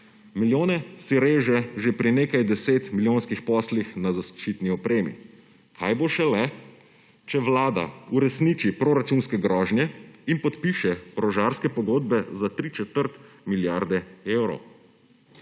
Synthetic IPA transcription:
miljoːnɛsiɾeːʒɛʒepɾineːkajd̪ɛseːt̪miljoːnskixpɔslixnazaʃt͡ʃit̪niɔpɾeːmḭ | kʰajboʃɛlɛ | t͡ʃɛʋlaːd̪a̰uɾɛsnit͡ʃipɾoɾat͡ʃunskɛɡɾɔːʒnjɛinpɔt̪piːʃɛɾɔʒaɾskɛpɔɡoːd̪bɛzat̪ɾit͡ʃɛt̪əɾt̪ | miljaɾd̪ɛewɾɔ̰w

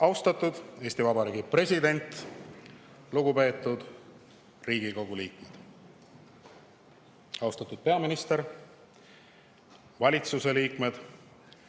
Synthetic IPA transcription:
ɑwst̪ɑt̪ːˑud̪̥e̞ːsʲt̪ivɑbɑɾiːɡipre̞sʲid̪e̞nʲt̪ | luɡupe̞ːt̪ːˑud̪̥ | riːɡiko̞ɡ̥uliːkmed̪̥ | ɑwst̪ɑt̪ːˑud̪̥̚pe̞ɑminist̪e̞ɾ | vɑlʲit̪suse̞liːkme̞d̪̥

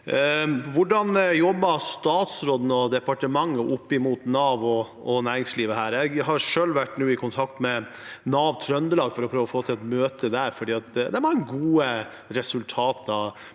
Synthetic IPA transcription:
ʋʊɖɑnjɔbːɑst̪ɑːt̪sɾoːd̪n̩əɔd̪ɛpɑʈəmɑŋːəʔʊpːɪmuːt̪nɑːʋɔ | ɔnæːɾɪŋsliːʋəhæːɾjɛɡɦɑɾʂøːlʋæʈːnuːɪkʰʊnt̪ʰɑkt̪mɛnɑːʋt̪ʰɾœnd̪əlɑːɡfɔɾɔpʰɾøːʋɔfoːt̪ʰɪlɛt̪møːt̪əd̪æɾfɔɖiːɑt̪d̪ɛmɑŋːəɡuːə | ɾɛsʉlt̪ʰɑːt̪ɑ

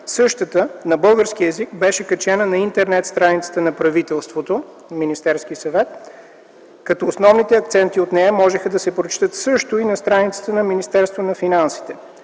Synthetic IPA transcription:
sɤʃt̪ət̪ənɐbɤlˠɡəɾsk̟iɛzikbɛʃɛkɐt͡ʃɛnənɐint̪ɛɾnɛt̪st̪ɾanit̪sə̥t̪ənɐpɾɐvit̪ɛlˠst̪vot̪o | minist̪ɛɾskisɐvɛt̪ | kɐt̪ɔːsnɔvnit̪ɛɐk̚t̪sɛnt̪iot̪nɛɐmɔʒɛxəd̪ɐsɛpɾot͡ʃt̪ət̪sɤʃt̪oinɐst̪ɾanit̪sə̥t̪ənɐminist̪ɛɾst̪vonɐfinansi̥t̪ɛ

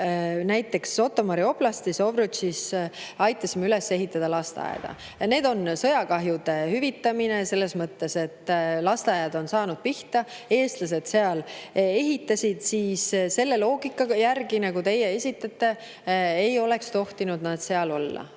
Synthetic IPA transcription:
næjt̪ːˑe̞kso̞t̪ːˑo̞mɑɾio̞b̥lɑst̪iso̞vɾut͡ʃisɑjt̪ˑːɑsimyle̞se̞ɦit̪ːˑɑd̪̥ɑlɑst̪ɑ̰j̰d̪̥ɑ̰ | ne̞ːd̪o̞nsɤ̞jɑkɑɦjud̪̥e̞hyvit̪ːɑminese̞lːe̞smɤt̪ːe̞se̞t̪ːlɑst̪ɑjɑd̪̥o̞nsɑːnud̪̥̚piht̪ɑ | e̞ːst̪lɑs̬e̞d̪̥se̞ɑle̞ɦit̪ːˑɑsʲid̪̥siːsse̞lːe̞lo̞ːɡikːˑɑjærɡinɑɡut̪e̞jee̞sʲit̪ːˑɑt̪ːˑe̞ | ejo̞lekst̪o̞ht̪inud̪̥nɑd̪̥se̞ɑlo̞lːɑ̰

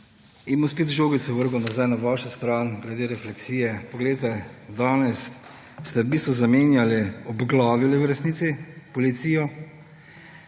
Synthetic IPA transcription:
imospeːt̪ʒoːɡit̪sɛʋəɾɡɔnazajnaʋaːʃɛst̪ɾaːnɡlɛd̪eːɾɛflɛksiːjɛpɔɡlet̪ɛd̪aːnɛsː | t̪ɛbiːst̪ʋɔzameːnjaliɔbɡlaːʋiliwɾɛsnit̪sipɔlit̪siːjɔ

